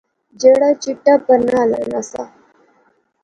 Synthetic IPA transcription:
d͡ʑeɽat͡ɕiʈːapəɾnala̰nasa̰

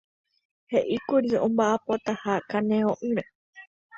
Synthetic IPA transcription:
he̞ʔikuɾiõ̰mbaʔapot̪ahakanẽõʔɨɾe

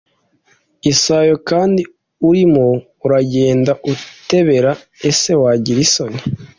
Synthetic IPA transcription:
isaːjokaːndi | uɾimo̞ | uɾaɟe̞ːndaʔute̞βe̞ɾa | e̞se̞waɟiɾisoɲe

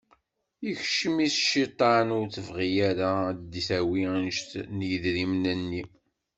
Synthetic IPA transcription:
içʃəmisʃit̪ˤːɑnʊɾθəvʁijaɾad̪iθæwinʃt̪njəðɾimnənːi

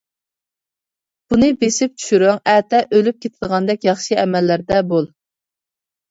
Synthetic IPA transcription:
b̥unɨbesɪp̚t͡ʃʰy̥ʃyɾyŋɛt̪ɛʔølyp̚kʲʰet̪ʰɪd̪əʁɑnd̪ɛkʲjɑχʃɨɛmɛlːæɾd̪ɛbolˠ

